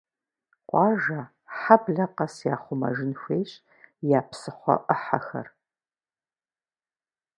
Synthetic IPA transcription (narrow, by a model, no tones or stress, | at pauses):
qʷʼɑːʒɐ | ħabɮɐqɐsjaːχʷʊmɐ̰ʒɪnxʷeːɕ | jaːpsɨχʷɔ̰ʔəħaxɐ̰r